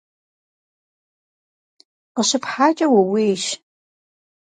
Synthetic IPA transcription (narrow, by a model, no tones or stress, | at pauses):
qəɕɨpʰħaːt͡ʃʼɐwɐweːʃ